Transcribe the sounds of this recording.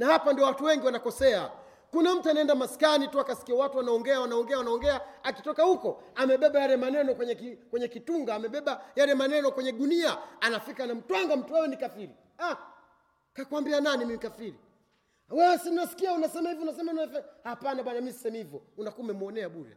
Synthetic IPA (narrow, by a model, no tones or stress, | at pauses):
nahapandiɔwatuwɛŋɡiwanakɔsɛa | kunam̩tuanaɛndamaskanituakasi̥kiawatuanaɔŋɡɛawanaɔŋɡɛawanaɔŋɡɛaaki̥tɔkahukɔamɛɓɛɓajaɾɛmanɛnɔkwɛɲɛkikwɛɲɛkituŋɡaːmɛɓɛɓajaɾɛmanɛnɔkwɛɲɛɗuniaanafikanam̩twaŋɡam̩tuwɛwɛnikafiɾi | a | kakwambiananimimkafiɾi | wɛwɛsininasi̥kiaunasɛmahiviunasɛmaunafɛhapanaɓwanamisi̥sɛmihivjɔunakumɛmuɔnɛaɓuɾɛ̰